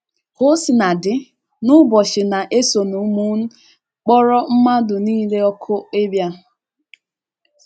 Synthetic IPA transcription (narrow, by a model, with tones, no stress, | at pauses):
ho˦sɪ˨na˨dɪ˨ | nʊ˦bɔ˨ʃɪ˨na˨ʔe˦so˨nu˨˦mu˦n̩˦ | k͡pɔ˦ɾɔ˦m̩˦ma˦dʊ˨niː˦le˦ɔ˦kʰʊ˦e˦bja˦